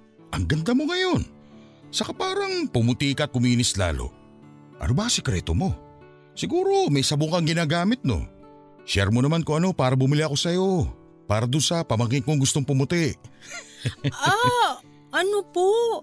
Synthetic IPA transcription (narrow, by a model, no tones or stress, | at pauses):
ʔɐŋɡɐnd̪amo̞ŋɐjo̞n | sɐkapaːɾɐŋpʊmʊt̪ikɐʔt̪̚kʊmiːnɪsla̰ːlo̰ | ʔɐ̰nobasɛkɾɛ̰ːt̪omo̞ | sɪɡuːɾo̞mɐjsɐbokɐŋɡɪnaːɡaːmɪt̪̚no̰ | ʃɛɾmonɐmankoɐno̞paːɾɐbʊmɪliʔɐko̞sɐjo̞ | paːɾɐd̪onsɐpɐmɐŋɪŋkoŋɡʊst̪oŋpʊmʊt̪ɪʔ | ʔa | ʔɐnopo